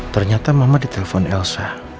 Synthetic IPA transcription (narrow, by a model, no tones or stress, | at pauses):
t̪ərɲat̪amamadit̪elefɔnɛlsa